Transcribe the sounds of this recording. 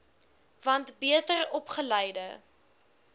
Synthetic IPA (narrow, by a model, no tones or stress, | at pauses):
vɐntbiətərɔpχəlɛjdə